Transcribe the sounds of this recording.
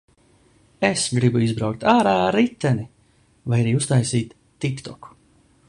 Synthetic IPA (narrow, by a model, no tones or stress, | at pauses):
esɡɾibuizbɾawkt̪aːɾaːɾit̪ːɛni | vajaɾiːust̪ajsiːt̪ːikt̪ɔku̥